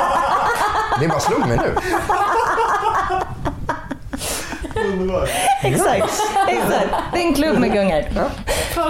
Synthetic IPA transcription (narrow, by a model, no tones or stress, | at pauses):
d̪ɛbɑːslʉmmɛnʉ̰ː | nd̪əbɑːɛksakt̪ɛksakt̪d̪ɪnkʰlʉbmɛɡɵŋːəɾ